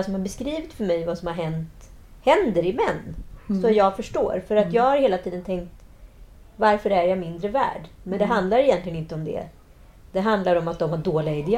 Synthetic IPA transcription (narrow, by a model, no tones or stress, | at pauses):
sɔmhaɾbɛskɾiːvɪt̪fœɾmɛjvasɔmhaɾɦɛnt̪hɛnd̪əɾɪmɛnːsɔjɑːɡfœʂʈo̰ːɾfœɾat̪jɑːɡhaɾheːlat̪ʰiːd̪ənt̪ʰɛŋkt̪ | vaɾfœɾæɾjamɪnd̪ɾəvæ̰ːɖmɛnd̪ɛɦand̪laɾɪjɛnt̪lɪɡənɪnt̪əɔmd̪ɛ̰ | d̪̥ɛɦand̪laɾɔmat̪̚d̪ɔmhaɖoːlɪaɪd̪ɪ